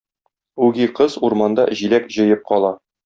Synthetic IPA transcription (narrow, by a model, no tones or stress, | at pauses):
ʉɡiqɤzuɾmɑnd̪ɑ̰ʑilækʑɤ̆jɤp̚qɒlˠɑ